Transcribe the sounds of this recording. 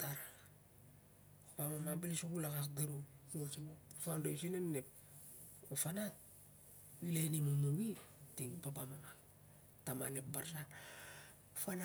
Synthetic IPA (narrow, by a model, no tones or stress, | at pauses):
taɾ | pamamabilisoɡulakakɡaɾumot͡ʃimofandasinannep̚ | ofanat̚ | wilenimumuwitiŋpapamama | tamanep̚baɾsa | fana